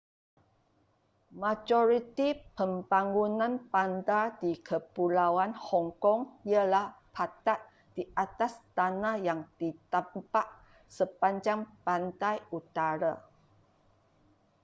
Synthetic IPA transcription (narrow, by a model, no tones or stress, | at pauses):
mad͡ʒɔɾit̪ipəmbaŋɡunãnpandadikʰəpulawanhɔŋkɔŋiəlahpʰat̪at̪̚ | diʔat̪ast̪anahjaŋd̥it̪ampaʔ | səpaɲd͡ʒaŋpant̪ajut̪aɾa